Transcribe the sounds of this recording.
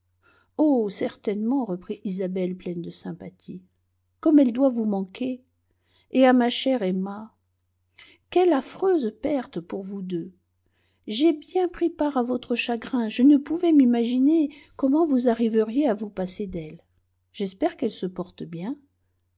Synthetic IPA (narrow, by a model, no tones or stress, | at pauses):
osɛʁt̪ɛnmɑ̃ʁəpχiʔizabɛlplɛnd̪əsɛ̃pat̪ʰi | kɔmɛld̪wavumɑ̃ke | eamaʃɛʁɛma | kʲɛlafχøzpɛʁt̪puʁvud̪ø | ʒebjɛ̃pχipaʁavɔt̪χəʃaɡʁɛ̃ʒənəpuvɛmimaʒinekɔmɑ̃vuzaʁivəʁjeavupased̪ɛl | ʒ̥ɛspɛʁkɛlsəpɔʁt̪bjɛ̃